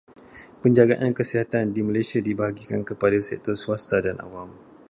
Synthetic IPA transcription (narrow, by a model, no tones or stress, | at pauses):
pəɲd͡ʒaɡaʔankəsiɦat̪andimalajsiadibaɦaɡikankəpadasɛ̰k̚t̪ɔrsuast̪adana̰wam